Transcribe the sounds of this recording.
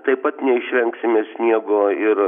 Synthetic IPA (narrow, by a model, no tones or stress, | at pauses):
t̪ɐɪpɐt̪nʲɛɪʃʲʋʲɛŋksʲɪmʲeːsʲnʲiɛɡoːɪɾ